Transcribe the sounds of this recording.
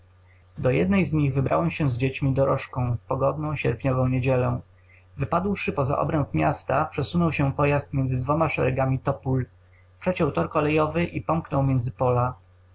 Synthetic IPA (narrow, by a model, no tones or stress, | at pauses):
d̪ɔjɛd̪nɛjzɲiɣvɘbɾʔa̰wɛmɕɛ̃zd͡ʑet͡ɕmʲid̪ɔɾɔʂkɔ̃w̃fpɔɡɔd̪nɔ̃w̃ɕɛ̰ɾpʲɲɔvɔ̃w̃ɲed͡ʑɛlɔ̃ | vɘpad̪wʂɘpɔza̰ʔɔ̰bɾɛmpmʲjast̪apʂɛsunɔwɕɛpɔjast̪mʲjɛnzɘd̪vɔmaʂɛ̰ɾɛɡamʲit̪ɔpul | pʂɛt͡ɕɔwt̪ɔɾkɔlɛjɔvɘʔipɔmknɔwmʲjɛnd̪zɘpɔla